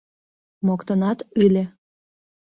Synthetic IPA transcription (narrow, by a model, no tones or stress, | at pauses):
mokt̪ənɑt̪ylʲe